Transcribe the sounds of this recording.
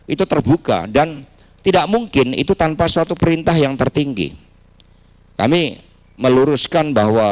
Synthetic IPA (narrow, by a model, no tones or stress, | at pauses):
ʔit̪ut̪ərbuka̰dan | t̪idaʔmuŋkɪnḭt̪ut̪anpasəat̪upəɾint̪aɦjaŋt̪ərt̪iŋɡḭ | ka̰mi | məluɾʊskanbaɦwa